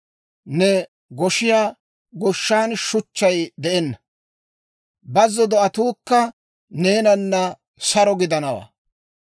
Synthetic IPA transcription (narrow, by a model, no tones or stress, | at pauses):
nɛ | ɡɔʃɪjaː | ɡɔʃːaːnʃʊt͡ʃːɐjd̪ɛʔɛnːɐ | bɐzːɔd̪ɔɐt̪uːkːɐ | ne̞ːnɐnːɐ | sɐɾɔɡɪd̪ɐnɐwa̰ː